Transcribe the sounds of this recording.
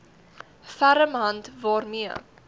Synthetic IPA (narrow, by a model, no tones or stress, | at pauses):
fæɾəmɦɐntvɑːrmiə